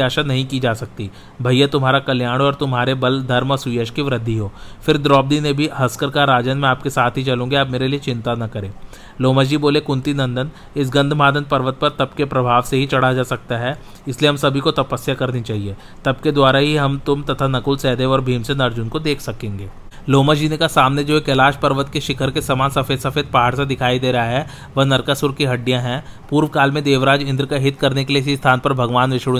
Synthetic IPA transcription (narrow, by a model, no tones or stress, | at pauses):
aːʃanɐɦĩkid͡ʒaːsɐk̚t̪i | bʱɐijat̪ʊmɦaːɾakɐljaːɽ̃ɔːɾt̪ʊmɦaːɾebɐld̪ʱɐɾmɔsʊjəʃkiʋɾɐd̪ʱːiɦoːfɪɾd̪ɾɔːb̚d̪inebʱiɦɐskəɾkaɾaːd͡ʒənmẽaːp̚kesaːt̪ʰɦit͡ʃɐlõːŋɡeaːpmeːɾeliet͡ʃɪ̃nt̪anɐkɐɾẽː | loːməd͡ʒd͡ʒiboːlekʊ̃nt̪inɐ̃nd̪ən | ɪs̬ɡɐ̃nd̪ʱmaːd̪ənpɐɾʋət̪̚pɐɾt̪ɐb̚kepɾɐbʱaːʋseɦit͡ʃɐɽ̤ad͡ʒaːsɐk̚t̪aɦɛ | ɪslieɦɐmsɐbʱikot̪ɐpəsjakɐɾnit͡ʃaːɦieː | t̪ɐb̚ked̪waːɾaɦiɦɐmt̪ʊmt̪ɐt̪ʰanɐkʊlsɛːd̪eːʋɔːɾbʱiːmsenɐɾd͡ʒʊnkod̪eːkʰsɐkẽːŋɡeː | loːmad͡ʒiːnekasaːmned͡ʒoːeːkelaːʃpɐɾʋət̪keʃɪkʰəɾkesamaːnsɐfeːd̪sɐfeːd̪̚paːɦaːɽsed̪ɪkʰaːid̪eːɾɐɦaɦɛ | ʋɐɦnɐɾkasʊɾkiɦɐɖːijãɦɛ̃puːɾʋkaːlmẽd̪eːʋɾaːd͡ʒɪ̃nd̪ɾkaɦɪt̪kɐɾnekelieɪsist̪ʰaːnpɐɾbʱɐɡʋaːnʋɪʃɽ